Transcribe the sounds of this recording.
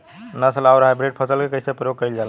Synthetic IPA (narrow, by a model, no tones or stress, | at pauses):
nəsəlawɾəɦɛbɾeɖ̚pʰəsəlkekəjsepɾəjoɡ̚kəjld͡ʒal